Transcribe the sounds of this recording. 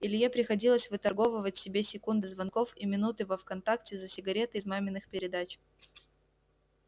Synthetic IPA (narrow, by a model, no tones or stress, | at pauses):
ɪlʲjepɾʲɪxɐdʲilˠəsʲvɨt̪ɐrɡo̞vəvətʲfsʲɪbʲesʲɪkund̪ɨzvɐnko̞fimʲɪnut̪ɨvofkɐnt̪aktʲɪzəsʲɪɡɐɾʲe̞t̪ɨːzmamʲɪnːɨxpʲɪɾʲɪd̪at͡ɕ